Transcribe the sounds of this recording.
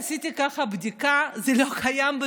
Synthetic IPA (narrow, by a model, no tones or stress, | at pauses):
sit̪ikafabd̪ikazelokʰajambə